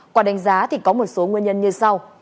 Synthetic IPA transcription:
kwaː˧˩ɗa˨˦jŋ̟zaː˨˦t̪ʰi˨˩kɔ˨˦mo˨˩t̚so˨˦ŋwənɲə˧nɲɨ˧sa˧w

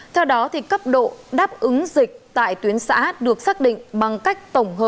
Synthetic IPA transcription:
t̪ʰɛ˧wɗɔ˨˦t̪ʰi˨˩kə˦˥p̚ɗo̰˧˨ɗaː˦˥p̚ʔɨ˨˦ŋzï˨˩k̟̚t̪a̰ː˧˨jt̪wi˨˦ənsa̰ː˧˥ɗɨ˨˩ək̚saː˦˥k̚ɗḭ̈˧˨ŋ̟ɓa˨˩ŋka˦˥jk̟̚t̪ə˧˩wŋ͡mɦəː˨˩p̚

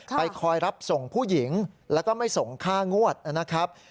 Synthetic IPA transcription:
pa˧jkʰɔː˧jɾa˦˥p̚so˨˩ŋpʰuː˥˩ji˩˦ŋlɛː˦˥wkɔː˥˩ma˥˩jso˨˩ŋkʰaː˥˩ŋu˥˩ət̪̚a˧˩na˦˥kʰɾa˦˥p̚

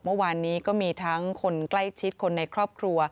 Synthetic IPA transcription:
mɯ˥˩waː˧nːiː˦˥kɔː˥˩miː˧t̪ʰa˦˥ŋkʰo˧nkla˥˩jt͡ɕʰi˦˥t̪̚kʰo˧nːa˧jkʰɾɔː˥˩p̚kʰɾu˧ɐ

